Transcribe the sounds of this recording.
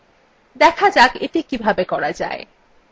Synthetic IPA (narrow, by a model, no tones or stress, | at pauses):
d̪ɛkʰad͡ʑakeʈikibʱabekɔɾad͡ʑa̰e